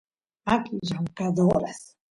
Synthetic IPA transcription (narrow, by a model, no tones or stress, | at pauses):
akiʒaŋkad̪oɾas